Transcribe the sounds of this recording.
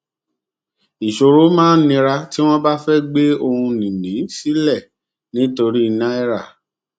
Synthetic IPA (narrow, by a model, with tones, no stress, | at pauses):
i˨ʃo˧ɾo˨˦mãː˦n̩˦nĩ˧ɾa˧ti˦w̃ɔ̃˦ba˦fɛ˦ɡ͡be˦o˧hũ˧nĩ˨nĩ˨˦si˦lɛ˦˨ | nĩ˨˦to˧ɾi˦˧nã˦i˦ɾa˦˨